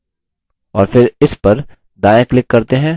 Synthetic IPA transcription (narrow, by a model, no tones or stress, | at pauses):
ɔːɾfɪɾɪspɐɾ | d̪aːjəklɪkːɐɾt̪eɦɛ̃ː